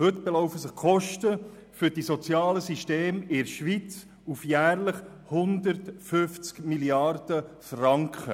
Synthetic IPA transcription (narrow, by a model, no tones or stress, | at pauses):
hɵt̪b̥ɛlɔʊfəsɪχkʰɔʃtə | fʏɾd̥isɔt͡sjɑːləsiʃteːmɪɾʃʋit͡s | ufjæːɾləχ | hʊnd̪əɾtfʏft͡skmiljɑrd̥əfrɑŋkχə